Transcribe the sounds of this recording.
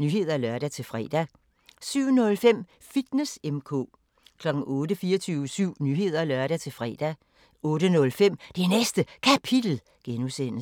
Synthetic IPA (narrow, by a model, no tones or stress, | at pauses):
nyːɦe̝ð̰ˠɐælɶɐ̰ɾ̥æt͡sʰe̝fʁɛ̰d̥æ | syʊ̰nɔ̽lfem̰ | fid̥nesemkʰɔ̰̽ː | kʰlɒ̽ɡ̥ŋ̩ɔ̽ːɾəfiːɐt͡sʰyːʊəsyʊ̰nyɦe̝ð̰ˠɐlœɶɐɾ̥æt͡sʰe̝lfʁɛ̰ːd̥æ | ɔ̽ːɾənɔ̽lfem̰d̥enesd̥əkʰæpʰid̥l̩ | ɡ̥enusen̰ə